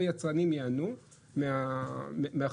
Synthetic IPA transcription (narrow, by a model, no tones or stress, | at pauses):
ajat͡sanimjaanu | meammea